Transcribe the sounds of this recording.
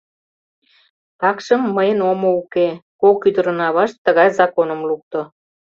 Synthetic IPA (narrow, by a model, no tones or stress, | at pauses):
t̪ɑkʃəmːəjənomoukekokyd̪əɾə̆nɑβɑʃt̪ːəɣɑjzɑkonəmluk̚t̪o